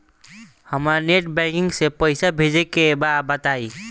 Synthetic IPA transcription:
həmaneʈbɛ̃kiŋɡsẽpəjsabʱed͡ʒɛkebabət̪ai

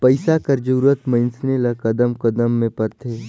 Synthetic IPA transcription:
pɐɪsakɐɾd͡ʒuːɾət̪mə̃ɪnsnelɐkɐd̪əmkɐd̪əmːẽpɐɾt̪ʰeː

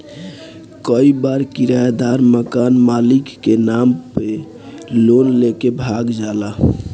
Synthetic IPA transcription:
kəibaɾkiɾajd̪aɾməkanmalikːenampe | lonlekebʱaɡd͡ʒala

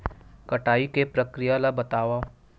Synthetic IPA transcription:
kɐʈaːikepɾəkɾɪjalabɐt̪aːʋa

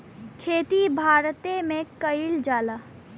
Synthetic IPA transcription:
kʰeːt̪ibʱaːɾt̪emẽkəɪld͡ʒaːlaː

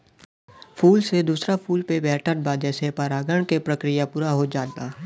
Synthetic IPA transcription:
pʰuːlsed̪uːsɾapʰuːlpebɛːʈʰəbad͡ʒɛːsepaːɾaːɡəɳkepɾəkɾɪjapuːɾaɦod͡ʒaːd̪̚baː

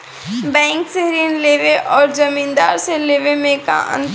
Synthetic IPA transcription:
bɛ̃ːŋkseɦɾiːnleːʋeʔɔːɾzɐmĩːnd̪aːɾseleːʋemẽka̰ʔə̰̃nt̪

